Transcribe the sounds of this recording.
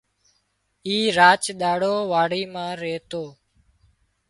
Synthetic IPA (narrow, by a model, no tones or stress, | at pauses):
iːɾaːt͡ʃɗ̪aːɽoːʋaːɽiːmãːɾeːt̪oː